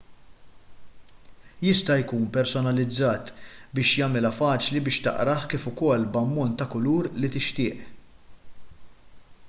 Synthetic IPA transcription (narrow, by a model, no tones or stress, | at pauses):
jɪst̪ɐjkuːnpɛɾsɔnɐlɪd͡zːɐːt̪bɪːʃjɐmɪlɐfɐːt͡ʃlibɪːʃt̪ɐ̰ʔɾɐħkiːfʊkɔlːbɐmːɔnt̪ːɐkʊluːɾlit̪ɪʃt̪ɪːʔ